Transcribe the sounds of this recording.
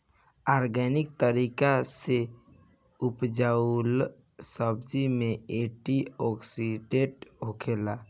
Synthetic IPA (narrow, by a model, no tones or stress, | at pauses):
aːɾɡɛnɪk̚t̪əɾiːkase | ʊpd͡ʒal | səbd͡ʒimẽeʈiɔksiɖeʈɦokeːla